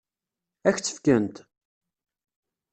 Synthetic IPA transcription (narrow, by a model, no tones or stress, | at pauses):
æçt͡sːə̥fkənt̪